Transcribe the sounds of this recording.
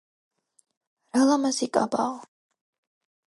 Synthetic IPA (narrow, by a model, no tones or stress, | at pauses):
ɾalamasikʼa̰ba̰ɔ